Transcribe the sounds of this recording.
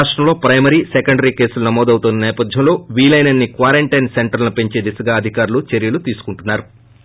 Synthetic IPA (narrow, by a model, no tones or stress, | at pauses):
aːʂʈɾɐmloːpɾɐjmɐɾiːsekɐɳɖɐɾiːke̞ːsulunɐmɔːd̪ɐwut̪unːɐnɛːpɐd̪ʱjɐmlo̞ːʋiːlɐjnɐnːikʋaːɾeɳʈɐjnseɳʈɐɾlnupe̞ɲt͡ʃe̞ːd̪isɐɡaːɐd̪ʱikaːɾulut͡ʃeɾjɐlut̪iːsu̥kuɳʈunːaːɾu